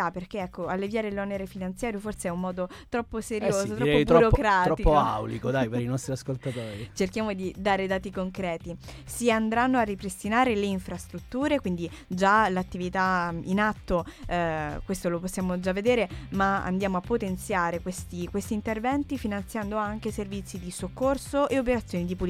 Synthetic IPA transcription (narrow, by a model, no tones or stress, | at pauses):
aperk̟eɛkːoalːevjaːɾelɔneɾefinant̪sjaːɾjoforseɛummɔːd̪o | t̪ɾɔpːoseɾjoːzot̪ɾɛpːotb̪ɾuɔɾokɾaːtɾɔikpːoa̰wlikod̪ajpeɾinɔst̪ɾiaskolt̪at̪oːɾit͡ʃerkjaːmod̪id̪aːɾed̪aːt̪ikoŋkɾɛːt̪isiand̪ɾanːoarːipɾest̪inaːɾeleiɱfɾast̪ɾut̪ːuːɾekwind̪id͡ʒalat̪ːivit̪ainat̪ːo | kwest̪oloposːjaːmod͡ʒavːed̪eːɾemaa̰nd̪jaːmoapːot̪ent̪sjaːɾekwest̪ikwest̪iːnt̪ervɛnt̪ifinant̪sjand̪oaŋk̟eservit̪sːid̪isokːorsoʔeop̬eɾat̪sːjoːnid̪ipul